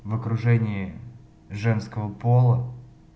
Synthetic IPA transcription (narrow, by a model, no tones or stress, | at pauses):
vəkɾʊʐɛnʲɪɪ | ʐɛnskəvəpolˠə